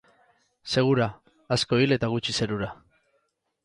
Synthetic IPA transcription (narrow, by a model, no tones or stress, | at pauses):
se̞ɣ̞uɾaː | sko̞ile̞t̪aɣ̞ut͡ʃise̞ɾuɾa